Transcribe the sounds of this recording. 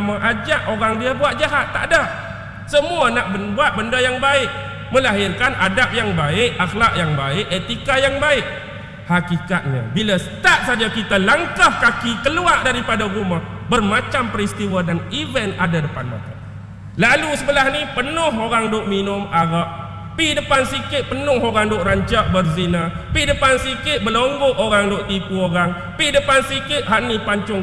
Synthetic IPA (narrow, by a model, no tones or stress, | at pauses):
amaʔad͡ʒaʔoɾaŋdiabuat̪̚d͡ʒaɦat̪ːa̰ʔdah | səmuanaʔbəbuat̪̚bəndajaŋbaɪʔ | məlaɦɪrkanʔa̰dap̚jaŋbaɪʔaxlaʔjaŋbaɪʔet̪ikajaŋbaɪʔ̚ | hakikat̪̚ɲə̰bilasə̥t̪at̪̚sad͡ʒakit̪alaŋkahkakikəluaʔdaɾipadaɾumah | bərmat͡ʃampəɾist̪iwadanivɛnadadəpa̰nma̰t̪a | lalusəbəlahnipənʊɦoɾaŋdʊʔminʊmaɣaʔ | pidəpansikɪʔ̪̚pənʊɦoɾaŋdʊʔraɲt͡ʃaʔbərzina | pidəpansikɪʔ̪̚bəloŋɡʊʔoɾaŋdʊʔt̪ipuoɾaŋ | pidəpansikɪʔ̪̚ɦanipaɲt͡ʃʊŋ